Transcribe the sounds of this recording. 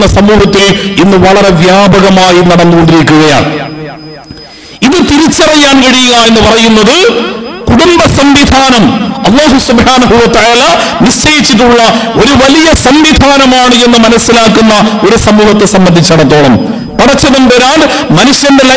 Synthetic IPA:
nːɐsɐmuːɦɐt̪ːilinːɨʋɐɭɐɾe̞ʋjaːbɐɣɐmaːjinɐɽɐnːuɣo̞ɳɖiɾik̬ʲːuɣɐja̰ːɳ | iðɨt̪iɾit͡ɕːɐrɐjːaːnkɐɽijuɣae̞nːɨpɐrɐjunːɐðɨkuɽumbɐsɐmʋid̪ʱaːnɐmɐlˠˤːaːɦusubhaːnɐɦuwɐt̪ɐʕaːlɐniʂt͡ɕɐjit͡ɕːiʈ̬ːuɭːɐo̞ɾuʋɐlijɐsɐmʋid̪ʱaːnɐmaːɳɨe̞nːɨmɐnɐsːilaːkːunːɐo̞ɾusɐmuːɦɐt̪ːe̞sɐmbɐnd̪ʱit͡ɕːɐɽɐt̪̬ːo̞ːɭɐm | pɐɽɐt͡ɕːɐðɐmpeːɾaːn | mɐnuʂjɐndelɐ

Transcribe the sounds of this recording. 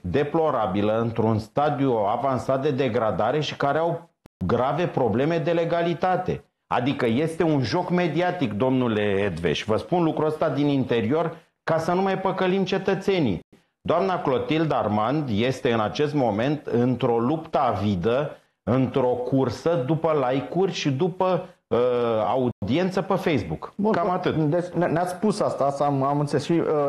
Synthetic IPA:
d̪e̞plo̞ɾabiləɨnt̪ɾunst̪ad̪iuavansat̪̚d̪e̞d̪e̞ɡɾad̪aɾe̞ʃi̥kaɾeaw | ɡɾave̞pɾo̞ble̞me̞d̪e̞le̞ɡalit̪at̪e̞̰ | a̰d̪ikəje̞st̪e̞unʒo̞kme̞d̪iat̪ikd̪o̞mnuleed̪ve̞̰ʃʲvəspunlukɾuəst̪ad̪inint̪e̞ɾio̞r | kasənumajpəkəlimt͡ʃe̞t̪ət̪se̞nḭ | d̪oamnaklo̞t̪ild̪armand̪je̞st̪e̞ɨnat͡ʃe̞st̪mo̞me̞nt̪ɨnt̪ɾo̞lupt̪əavid̪ə | ɨnt̪ɾo̞kursəd̪upəlajkurʲʃid̪upəəa̰ud̪ie̞nt̪səpefejsbukbkamat̪ɨt̪d̪et͡ʃnneat̪sspusast̪asmamunsesʃiə

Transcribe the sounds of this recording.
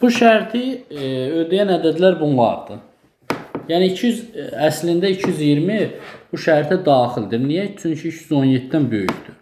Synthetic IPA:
b̥uʃæɾt̪ʰiød̪æjænæd̪æd̪læɾbunlˠɑ̰ɾd̪̥ɯ | jæniicʰijyzæslind̪æicʰijyzijiɾmib̥uʃæɾt̪ʰæd̪ɑːxild̪iɾnijæt͡ʃʰyɲcʰiit͡ʃʰjyzo̞njet̪ʰːd̪ænbø̞jyçd̪y

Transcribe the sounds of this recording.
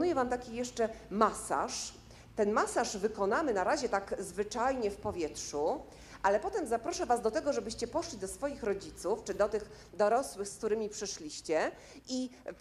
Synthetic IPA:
ujɛvamt̪akʲijɛʂt͡ʂɛmasa̰ʂ | t̪ɛnmasaʐvɘkɔnamɘnaɾaʑɛt̪aɡzvɘt͡ʂajɲɛfpɔvʲjɛt̪ʂu | ʔalɛpɔt̪ɛmzapɾɔʂɛvazd̪ɔt̪ɛɡɔʐɛbɘɕt͡ɕɛpɔʂlʲid̪ɔsfɔjixɾɔd͡ʑit̪suft͡ʂɘd̪ɔt̪ɘx | d̪ɔɾɔswɘxsk̚t̪uɾɘmʲipʂɘʂlʲiɕt͡ɕɛ | ʔi

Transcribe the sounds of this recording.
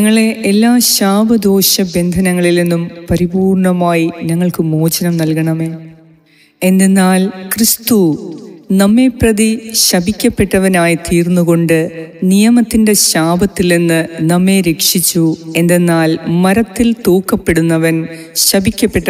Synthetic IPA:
ɲɐŋːɐɭe̞ʔelːaːɕaːbʱɐd̪o̞ːɕɐbe̞nd̪ʱɐnɐŋːɐɭilenːumpɐɾibuːrɳɐmaːjiɲɐŋːɐɭkɨmo̞ːt͡ɕɐnɐmnɐlkɐɳɐme̞ː | e̞nd̪enːaːlkrist̪u | nɐmːe̞prɐðiɕɐbʱikʲːɐpːe̞ʈːɐʋɐnaːjit̪iːrnːuɣo̞ɳɖɨnijɐmɐt̪ːinde̞ɕaːbɐt̪ːilenːɨnɐmːe̞ɾe̞kʂit͡ɕːue̞nd̪enːaːlmɐɾɐt̪ːilt̪oːkːɐpːe̞ɽunːɐʋɐn | ɕɐbʱikʲːɐpːe̞ʈːɐ

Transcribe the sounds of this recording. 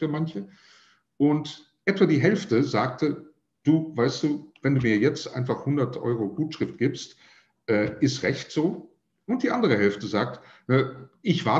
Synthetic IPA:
fyːɐmançə | ʔʊnt | ʔɛtv̥adiːɦɛlftəzaːk̚tə | d̥uːvaɪstd̥uːvɛnduːmiːɐjɛt͡stʔa̰ɪnfaχhʊndɐtʰʔɔ̰ʏʁ̞oɡuːtʃʁ̥ɪft̚ɡ̥iːpst | ʔɛːʔɪstʁɛçtz̥oː | ʔʊnt̚d̥iːʔandəʁ̞əɦɛlftəzaːk̚tnəʔɪçv̥a

